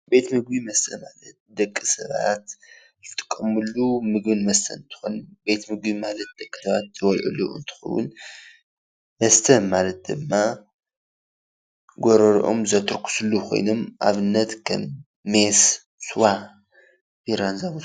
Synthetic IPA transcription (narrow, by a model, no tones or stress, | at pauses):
be̞t̪mɨɡ̚bimɐst̪ʰɐmalɐt̪̚d̪ɐkʼːɨsɐβa̰t̪ | jɨt̪ʼɨ̥kʼːɐmɨlːumɨɡbɨnmɐst̪ʰɐnɨnt̪ʰɨ̥xo̰nbe̞t̪mɨɡbimalɐt̪̚d̪̥ɐkʼːɨ̥sɐβat̪t̪ʰɨwɔlʕṵlṵɨ̰nt̪ʰɨ̥xɐ̰wʊ̰n | mɐst̪ʰɐnmalɐt̪̚d̪ɨmːa | ɡoɾɐɾʔo̞̰mzɐt̪ʰɨɾkʰu̥sulukʰo̞̰jno̞mʔa̰βɨnːɐt̪kʰɐ̰mː | es | swa | biɾanzam